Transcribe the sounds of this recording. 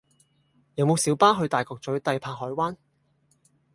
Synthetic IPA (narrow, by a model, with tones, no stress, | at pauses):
jɐ˨˧wmo˨˧wsi˨˥wpaː˥ɦɵ˧ɥt̪aː˨jkɔː˧k̚t͡sɵ˨˥ɥt̪ɐ˧jpʰaː˧k̚ɦɔː˨˥jwaː˥n